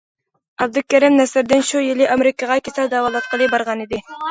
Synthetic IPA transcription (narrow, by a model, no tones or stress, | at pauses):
ɑb̚d̪ɨkʲʰæɾɪmnɛsɪɾd̪ɪnʃujilɪʔɑmeɾɪkəʁɑkʲʰesæld̪ɑwɑlˠɑt̪̚qəlˠɨbɑɾʁɑnid̪ɪ